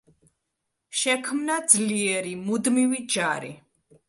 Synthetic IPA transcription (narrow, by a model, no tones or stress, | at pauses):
ʃɛkʰmnad̪zliɛɾimud̪mivid͡ʒaɾḭ